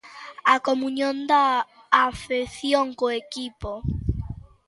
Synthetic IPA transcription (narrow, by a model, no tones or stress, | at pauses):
akomũɲjõnd̪aː | feθjoŋkoekipo